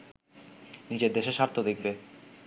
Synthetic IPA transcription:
nid͡ʑeɾd̪eʃeʃaɾt̪ʰːod̪ek̚ʰbe

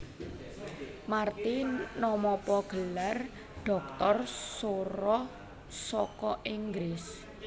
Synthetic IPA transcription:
mart̪inɔmɔpɔɡ̥ə̤lar | ɖ̥ɔ̤k̚t̪ɔrsoɾɔ | sɔkɔʔiŋɡɾɪs

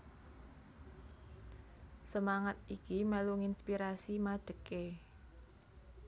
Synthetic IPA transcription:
səmaŋat̪̚ikimaluŋinspiɾasimaɖ̥ə̤ke

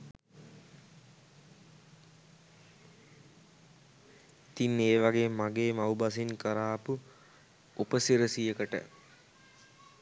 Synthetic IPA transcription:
it̪inːeːʋaɡeːmaɡeːmaubas̬inkəɾaːpu | upəsiɾəsijəkəʈə̰

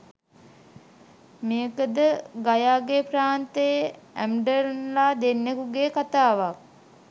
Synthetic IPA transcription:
mejəkəd̪əɡajaːɡepraːnt̪əj | æmɖəɾnlaːd̪enːekuɡeːkat̪aːʋak̚

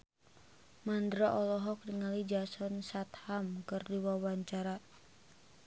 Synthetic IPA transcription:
mandɾaʔɔlɔɦɔk̚diŋalid͡ʒasɔnsat̪hamkɨrdiwawaɲt͡ʃaɾa

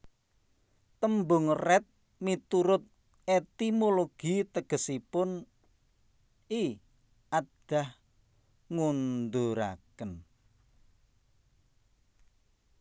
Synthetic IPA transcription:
t̪əmbʊŋrɛt̪̚ | mit̪uɾʊt̪̚ | et̪imoloɡ̥it̪əɡ̥ə̤sipʊn | i | aɖ̥a̤h | ŋund̪oɾa̰kən

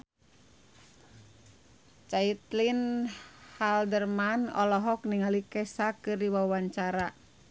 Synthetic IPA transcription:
t͡ʃait̪lin | haldərmanɔ̰lɔɦɔkniŋalikɛsakɨrdiwawaɲt͡ʃaɾa

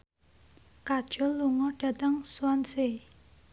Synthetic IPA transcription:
kad̥ʒ̥ɔ̤luŋɔɖ̥ä̤t̪əŋswanse

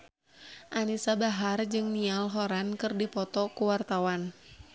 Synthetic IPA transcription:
ʔanisabaɦard͡ʒɨŋnialɦɔɾankɨrdipɔt̪ɔkuwart̪awan

